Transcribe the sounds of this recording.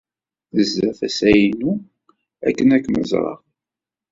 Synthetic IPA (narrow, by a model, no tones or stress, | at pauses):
əzːæθæsæjnu | ækːənækːnə̰zˤɾˤɑ̰